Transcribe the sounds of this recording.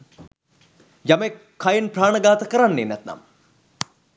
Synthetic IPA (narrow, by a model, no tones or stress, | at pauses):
jame | kʰːajenpraːɳəɡaːt̪əkəɾanːenæt̪na̰m